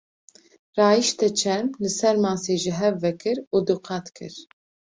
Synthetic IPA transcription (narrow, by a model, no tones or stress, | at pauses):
rɑːjiʃt̪ɛt͡ʃʰɛmlɨsɛɾmɑːseːʒɪɦɛvːɛkʰɨɾuːd̪uqɑt̪kʰɨ̰ɾ